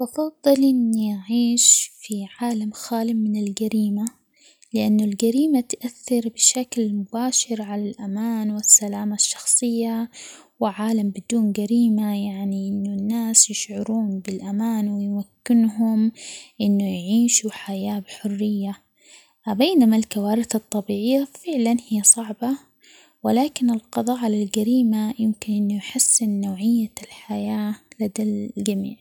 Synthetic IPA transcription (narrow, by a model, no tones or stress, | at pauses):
ʔɑfɑðˤːɨlʔɪnːiʔaʕiːʃfiʕaːlamxaːlɪmɪnɪlɡaɾiːma | lɪʔanːʊlɡaɾiːmat̪ʔaθːɪɾbɪʃaklmʊbaːʃɪɾʕalalʔamaːnwɪsːalaːmaʃːɑ̥xsˤɨjːa | wɪʕaːlambɪd̪uːnɡaɾiːmajaʕniʔɪnːʊnːaːsjɪʃʕʊɾuːnbɪlʔamaːnwɪjmakːɪnɦʊmʔɪnːujʕiːʃuħajaːbħʊrːɪjːa | beːnamalkawaːɾɪθɑt̪ˤːɑbiːʕɪjːafɪʕlanhɪjːasˤɑʕbɑ | wɪlaːkɪnɪlqɑðˤɑːʕlɪlɡaɾiːmajɪmkɪnʔɪnːʊjħasːɪnːowːʕɪjːalħajaːlad̪alld͡ʒamḭːʕ